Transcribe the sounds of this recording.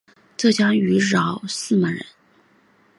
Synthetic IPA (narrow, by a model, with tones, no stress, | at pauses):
ʈ͡ʂɤ˥˩t͡ɕjɑ˥ŋy˧˥ɻɑ˨˧˩ʊsɹ̩˥˩mə˨˧˩ɻə̰˧˥n